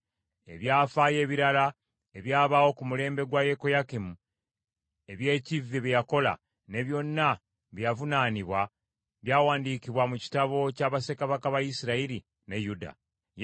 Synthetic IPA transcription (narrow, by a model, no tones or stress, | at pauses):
e̞̰βjaːfaje̞ːβiɾala | e̞βjaːβawo̞kumule̞ːmbe̞ɡwajekojakimu | e̞βje̞ːciveβijako̞la̰ | ne̞βjo̞nːa | βjjavunaːniβwa | βjaːwaːndiːkiβwamuci̥taβo̞caːβase̞kaβakaβaisiɾaiɾi | ne̞juda̰